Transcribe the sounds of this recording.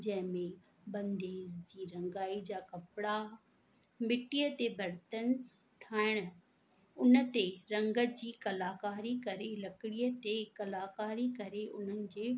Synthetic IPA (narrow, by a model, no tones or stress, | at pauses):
d͡ʑɐ̃ɦɪ̃mẽ | bɐ̃nd̪eːzd͡ʑiːɾɐ̃ŋɡaːid͡ʑaːkɐpɽa | mɪʈiət̪ebʱɐɾt̪ən | ʈʰaːɪɽ̃ | ʊnə̆t̪eɾɐ̃ŋɡəd͡ʑiːkɐlaːkaːɾikɐɾelɐkɪɽiːət̪ekɐlaːkaːɾikɐɾeʔʊn̤ənɪ̆d͡ʑeː